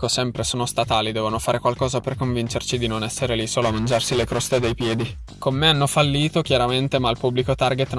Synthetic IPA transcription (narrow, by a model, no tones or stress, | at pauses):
kosɛmpɾesoːnost̪at̪aːlid̪ɛːvonofaːɾekwalkɔːzaperkoɱvint͡ʃert͡ʃid̪inonɛsːeɾelisoːloamand͡ʒarsilekɾɔst̪ed̪ejpjɛːd̪i | komːeanːofalːiːt̪ok̟jaɾament̪emalpubːlikot̪arɡet̪n